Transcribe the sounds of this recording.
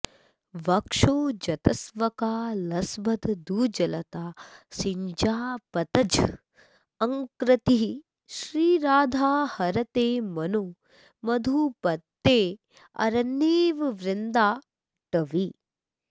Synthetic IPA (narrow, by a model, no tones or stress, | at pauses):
ʋɐkʂoːd͡ʒɐt̪ɐsʋɐkaːlɐsbɐd̪d̪uːd͡ʒɐlɐt̪aːsiɲd͡ʒaːpɐt̪ɐd͡ʒ | ɐŋkɾɐt̪iɦi | ʃɾiːɾaːd̪ʱaːhɐɾɐt̪eːmɐnoː | mɐd̪ʱupɐt̪ːeː | ɐ̰ɾɐnːeːʋʋɾɪnd̪aː | ʈɐʋi